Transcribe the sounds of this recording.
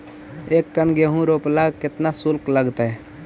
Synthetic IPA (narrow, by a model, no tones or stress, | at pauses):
eːk̚ʈənɡeɦũɾoːplaɡkɪt̪nasʊlkləɡt̪ɛ